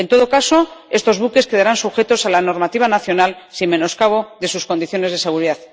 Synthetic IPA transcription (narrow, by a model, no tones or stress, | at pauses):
ent̪o̞ð̞o̞kaso̞e̞st̪o̞zβuke̞ske̞ð̞aɾansuxe̞t̪o̞salano̞ɾmat̪iβ̞anaθjo̞nalsimme̞no̞skaβ̞o̞ðe̞susko̞nd̪iθjo̞ne̞zðe̞se̞ɣ̞uɾiðaθ